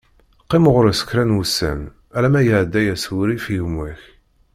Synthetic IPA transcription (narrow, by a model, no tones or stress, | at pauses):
qːimʁəɾsə̥kɾænwusæ̰m | ælæmæjəʕd̪ːæjæsuɾifiʝmwæç